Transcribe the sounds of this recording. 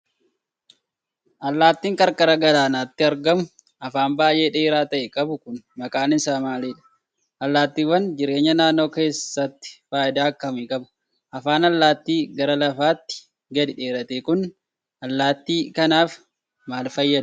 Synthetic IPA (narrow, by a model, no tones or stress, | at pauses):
ʔɐlːaːt̪ːiːŋkʼɐɾkʼɐɾɐɡɐlaːnaːt̪ːɪɐɾɡɐmʊ | ɐfaːnbaːjʔeːᶑeːɾaːt̪ɐʔɛkʼɐbʊkʊnmɐkʼaːnɪsaːmaːliːᶑɐ̥ | ʔɐlːaːt̪ːiːwːɐnd͡ʒɪɾe̞ːɲːɐnaːnːo̞ːke̞ːsːɐt̪ːɪ̥faːʔɪd̪aːɐkːɐmiːkʼɐbʊ̥ | ʔɐfaːnɐlːaːt̪ːiːɡɐɾɐlɐfaːt̪ːɪ̥ | ɡɐd̪ɪᶑe̞ːɾɐt̪ekʊn | ʔɐlːaːt̪ːiːkɐnaːf | maːlfɐjːɐd̪ʊ̥